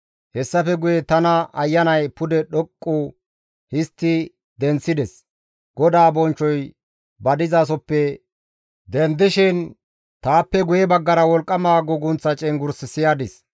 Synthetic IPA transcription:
hɛsːɐfɛɡʊjɛt̪ɐnɐɐjːɐnɐjpʊd̪ɛɗɔkʼːu | hɪst̪ːɪ | d̪ɛnt͡sːɪd̪ɛs | ɡ̥ɔd̪aːbɔnt͡ʃːɔj | bɐd̪ɪzaːs̬ɔpːɛ | d̪ɛnd̪ɪʃɪn | t̪aːpːɛɡʊjɛbɐɡːɐɾɐwɔlkʼːɐmaːɡʊɡʊnt͡sːɐt͡ʃʼɛŋɡʊɾsɪsɪjaːd̪ɪs

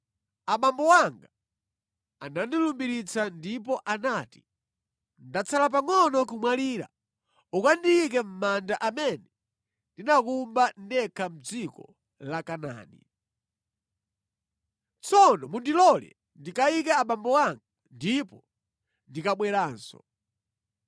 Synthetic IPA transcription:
aɓambɔwaŋɡa | anandilumbiɾit͡sandip̬ɔʔanaːti̥ | ndat͡sʰalap̬aŋɔnɔkumwaliːɾa̰ | ukandiik̬ɛm̩mandaʔamɛnɛ | ndinakumbandɛkʰam̩d͡zikɔ̰ | lakana̰ːnḭ | t͡sʰɔnɔmundilɔlɛ̰ | ndikaikaːɓambɔwaŋɡa | ndipɔ | ndikaɓwɛɾaːnsɔ̰

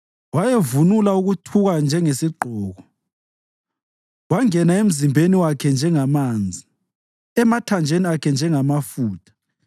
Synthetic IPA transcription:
wajevunulauɣutʰuɣand͡ʒʱɛŋesiǃʱɔːɣɔ | waŋɛnaem̩zimbʱeniwakʰɛnd͡ʒʱɛŋamaːnd͡zʱi | ɛmatʰand͡ʒʱeniakʰɛnd͡ʒʱɛŋamafuːtʰḁ

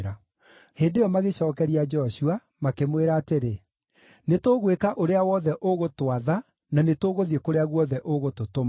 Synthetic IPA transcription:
ɾa | heːndejɔmaɣeɕɔːkɛɾiad͡ʒɔɕua | makemweɾaːteɾe | netoːɣwekaʔoɾeawɔðɛʔoɣotwaða | nanetoɣoðiekoɾeaɣwɔðɛʔoɣototom

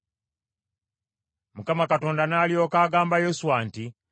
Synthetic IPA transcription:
mukamakato̞ːndanaːlio̞ːkaːɡaːmbajo̞suwanti

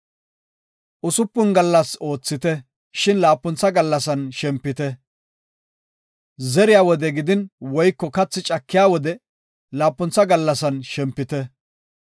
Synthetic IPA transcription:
ʔʊsʊpːʊnɡɐlːɐso̞ːt͡sːɪt̪ɛ | ʃɪnlaːpːʊnt͡sːɐɡɐlːɐsɐnʃɛmpːɪt̪ɛ | zɛɾɪjaːwɔd̪ɛɡɪd̪ɪnwɔjkːɔkɐt͡sːɪt͡ʃʼɐkːɪjaːwɔd̪ɛ | laːpːʊnt͡sːɐɡɐlːɐsɐnʃɛmpːɪt̪ɛ

